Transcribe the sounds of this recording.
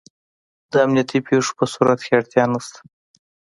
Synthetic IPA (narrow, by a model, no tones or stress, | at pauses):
d̪əamnijat̪ipeʂo̥pəsuɾat̪kʰeaɽt̪jɑnast̪ḁ